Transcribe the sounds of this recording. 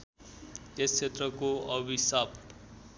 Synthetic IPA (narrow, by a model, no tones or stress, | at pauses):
est͡sʰet̪rʌkoʌbisap